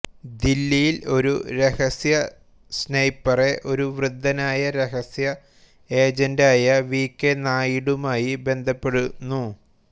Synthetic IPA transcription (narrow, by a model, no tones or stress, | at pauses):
d̪ilːijilo̞ɾṵɾe̞hɐsjɐ | snɐjpːɐre̞ʔo̞ɾuʋrɨd̪ʱːɐnaːjɐɾeɦɐsjɐ | e̞ːd͡ʑɐndaːjɐʋiːkːenaːjiɽumaːjibe̞nd̪ʱɐpːe̞ɽunːu